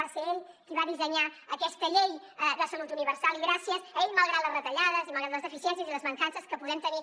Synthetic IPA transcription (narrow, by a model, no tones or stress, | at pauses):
aɾseeʎ | kiβaðizəɲa | əkɛst̪əʎej | d̪əsəlut̪uniβəɾsalˠiɣɾasiəseʎməlˠɣɾat̪ləzrət̪əʎaðəziməlˠɣɾat̪ləzðəfisiɛnsiəziləzməŋkansəskəpuðɛmt̪əni